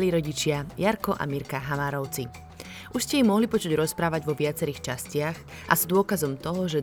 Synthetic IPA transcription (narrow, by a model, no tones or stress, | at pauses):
liːɾɔɟit͡ʃɪajaɾkɔʔa̰miɾkaɦamaːɾɔʊt͡si | uʃscɛjimɔɦlipɔt͡ʃuɟɾɔspɾaːʋaɟʋɔʋɪat͡sɛɾiːxt͡ʃascɪaɣ | ʔa̰zd̪ʊɔkazɔmt̪ɔɦɔʒɛ